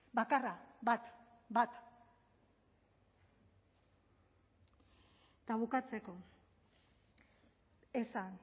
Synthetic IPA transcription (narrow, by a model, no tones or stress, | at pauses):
bakaraβat̪ | bat̪ | t̪aβukat͡se̞ko̞ | esan